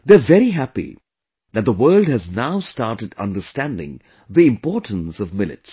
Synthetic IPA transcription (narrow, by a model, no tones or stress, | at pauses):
ðevɛɾiɦæpḭ | ðɨt̪̚ðəwɜ˞lˠd̚hɨznaʊstɑɹtɨdʌ̰̃ndəstæ̃ndɪ̰̃ŋ | ðiɪ̃mpɔɹʈʰn̩sʌvmɪlɨ̰ts